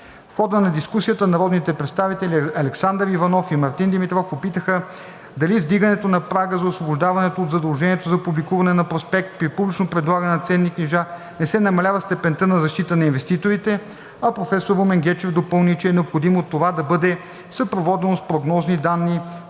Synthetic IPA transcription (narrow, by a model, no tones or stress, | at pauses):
fxɔd̪ənɐd̪iskusijət̪ənɐɾɔd̪nit̪ɛpɾɛt̪st̪avit̪ɛliɐlɛksand̪ɾivɐnɔfimɐɾt̪ind̪imit̪ɾɔfpopit̪əxə | d̪ɐlizd̪iɡɐnɛt̪onɐpɾaɡəzɐosvobʊʒd̪avɐnɛt̪oːtd̪zɐd̪ɐlˠʒɛniɛt̪ozɐpublikuvɐnɛnɐpɾospɛk̚t̪̚pɾipublʲit͡ʃnopɾɛd̪lˠaɡənɛnɐt̪sɛnːikniʒa | nɛsɛnɐmɐlʲavɐst̪ɛpɛnt̪ənɐzɐʃt̪it̪ənɐinvɛst̪it̪oɾit̪ɛ | ɐpɾofɛsoɾomɛŋɡʲɛt͡ʃɛvd̪opɤlˠnit͡ʃɛːnɛopxod̪imot̪ːovad̪ɐbɤd̪ɛ | səpɾovɔd̪ɛnospɾoɡnɔznid̪anːi